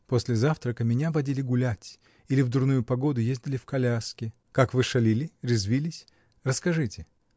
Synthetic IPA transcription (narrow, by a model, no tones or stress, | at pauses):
po̞sʲlʲɪzaft̪ɾəkəmʲɪnʲavɐdʲilʲɪɡʊlʲætʲ | ilʲɪvd̪ʊrnujʊpɐɡo̞d̪ʊjezʲdʲɪlʲɪfkɐlʲaskʲɪ | kakvɨʂɐlʲilʲɪɾʲɪzvʲilʲɪsʲ | rəskɐʐɨtʲɪ